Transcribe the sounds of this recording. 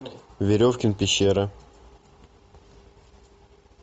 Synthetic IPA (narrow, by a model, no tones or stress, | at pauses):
vʲɪɾʲofkʲɪnpʲɪɕːeɾə